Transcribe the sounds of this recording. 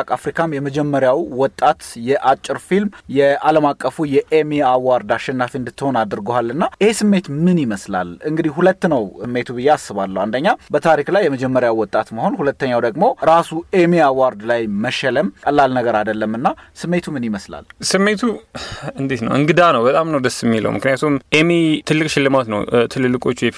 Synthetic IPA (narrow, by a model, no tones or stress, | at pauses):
kʼafɾikʰamjɛməd͡ʒɛmːəɾjawwɔt̪ʼːat̪jɛʔat͡ʃʼːɨɾfilmjɛʔaləmakʼːəfujɛʔemeawaɾd̪aʃːɛnːafiɨnd̪ɨt̪ːəho̞nad̪ɨɾɡohalːɨnːaʔɪhe̞sɨmːe̞t̪mɨnjiməsla̰lɨŋɡɨd̪ihhulət̪ːnəwɨmːe̞t̪ʰubɨjːeasːɨβalːəwand̪əɲːabət̪ʰaɾiklajːɛməd͡ʒɛmːəɾjawːɔt̪ʼat̪maho̞nhulət̪ːəɲːawd̪əɡmo̞ɾasuemeawaɾd̪lajməʃɛləmkʼəlːalnəɡəɾad̪əlːəmːɨnːasɨmːe̞t̪ʰumɨniməsla̰lsɨmːe̞t̪ʰuɨnd̪it̪nə̰wʔɨŋɡɨd̪anəwbət̪ʼamnəwd̪əsɛmːilə̰wmɨknɨjat̪ʰumʔemet̪ʰɨlːɨkʼʃɪlːɨmat̪nə̰wt̪ʰɨlɨlːɨkʼo̞t͡ʃːjɛf